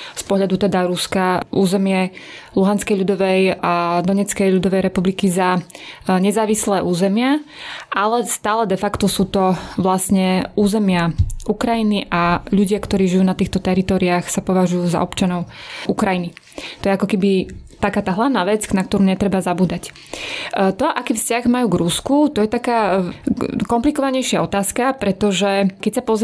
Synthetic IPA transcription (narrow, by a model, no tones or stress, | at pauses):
spɔɦʎad̪ut̪ɛd̪aɾuskaʔuːzɛmɪɛluɦanskɛjʎud̪ɔʋɛjad̪ɔɲɛt͡skɛjʎud̪ɔʋɛjɾɛpublikizaɲɛzaːʋislɛːʔuːzɛmɪaʔalɛst̪aːlɛd̪ɛfakt̪ɔsuːt̪ɔʋlasɲɛuːzɛmɪaʔukɾajiniʔaʎuɟɪakt̪ɔɾiːʒijuːnat̪iːxt̪ɔt̪ɛɾit̪ɔːɾiaxsapɔʋaʒujuːza̰ɔpt͡ʃanɔʊukɾajini | t̪ɔjɛakɔkɛbit̪akaːt̪aːɦlaʊnaːʋɛt͡snak̚t̪ɔɾuːɲɛt̪ɾɛbazabuːd̪ac | t̪ɔʔakiːfscaɣmajuːɡɾuskut̪ɔjɛt̪akaː | kɔmplikɔʋaɲɛjʃɪaɔt̪aːskapɾɛt̪ɔʒɛkɛcsapɔz